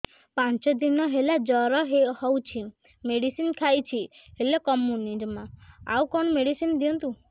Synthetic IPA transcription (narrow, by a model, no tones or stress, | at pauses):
pant͡ʃɔd̪inɔɦelad͡ʒɔɾɔɦehɔwt͡ʃʰi | meɽisinkʰajt͡ʃʰiɦelɔkɔmjunizmɔa̰wkɔɳɔmeɽisind̪iɔnt̪u